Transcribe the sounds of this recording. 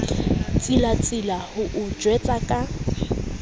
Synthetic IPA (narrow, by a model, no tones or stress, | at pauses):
t͡sʼilat͡sʼɪlahʊʔʊ̥d͡ʒwɛt͡sʼakʼa